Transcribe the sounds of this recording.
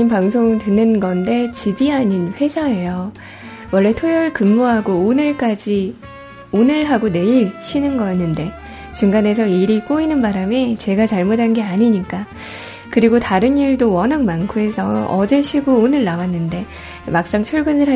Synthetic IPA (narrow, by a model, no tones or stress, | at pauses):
impaŋsʰoŋtɯnɯnɡʌnde̞t͡ɕibiaɲinɸwe̞d͡ʑʰae̞jo | wʌɭːe̞tʰojʌɭkɯmːoɦaɡoonɯɭk͈ad͡ʑi | onɯɭɦaɡone̞iɭɕʰinɯnɡʌjnːɯnde̞ | t͡ɕuŋɡane̞sʰʌiɾik͈oinɯnbaɾame̞t͡ɕe̞ɡat͡ɕaɭmotanɡe̞aɲiɲik͈a | kɯɾiɡotaɾɯniɭdowʌnɦaŋmankʰoe̞sʰʌʌ̰d͡ʑe̞ɕʰiɡoonɯɭnawanːɯnde̞ | mak̚s͈aŋt͡ɕʰuɭɡɯnɯɭɦa